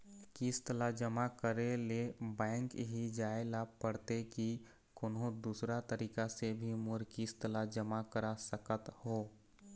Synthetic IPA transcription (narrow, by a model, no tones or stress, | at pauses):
kiːst̪əlad͡ʒəmakəɾelebɛ̃ːŋkɦid͡ʒaːelapəɽt̪eki | kʊnɦõd̪uːsɾat̪əɾiːkasebʱimʊɾkiːst̪əlad͡ʒəmakəɾasəkət̪hoː